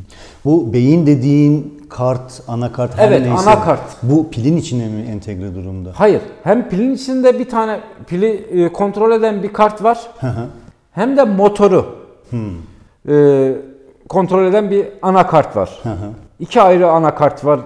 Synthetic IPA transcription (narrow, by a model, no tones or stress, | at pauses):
bubejind̪ed̪iːn | kʰaɾt̪ | anakʰaɾt̪ɛvɛt̪anakʰaɾt̪bupʰilʲinit͡ʃʰinɛmiɛnt̪ʰɛɡɾɛd̪uɾumd̪ahajɯɾhæmpʰilʲinit͡ʃʰind̪ɛbit̪ʰaːnɛpʰilʲikʰo̞nt̪ɾo̞lʲed̪ænbikʰaɾt̪vaɾ̥haɦa | hæmd̪ɛmo̞t̪ʰo̞ɾu | h̩ | ɯː | kʰo̞nt̪ɾo̞lʲe̞d̪ænbianakʰaɾt̪va̰ɾ̥haɦaicʰiajɾɯanakʰaɾt̪vaɾ